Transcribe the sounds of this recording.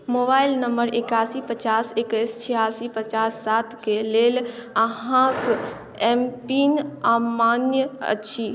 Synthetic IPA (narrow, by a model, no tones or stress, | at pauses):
moːbaːɪlnəmbəɾɪkaːsipət͡ʃaːsekəst͡ʃʰijaːsipət͡ʃaːsːaːt̪ʰkeleːləɦãk | ɛmpinamaːnjəə̰tːʃʰi